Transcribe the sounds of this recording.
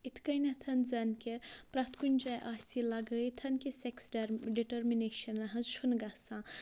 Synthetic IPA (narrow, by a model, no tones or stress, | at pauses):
it̪ʰkɐjnɐt̪ʰɐnzɐnkepɾɐt̪ʰkunʲd͡ʒajʔaːsilɐɡəjt̪ʰɐnkeseksɖiʈɐɾmineʃɐnɾɐɦɐ̃nzt͡ʃʰunɡɐsã